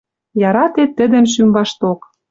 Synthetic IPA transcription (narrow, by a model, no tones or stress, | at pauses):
jɑɾɑt̪et̪ːə̆d̪ə̆mʃ̬ymbɑʃt̪ok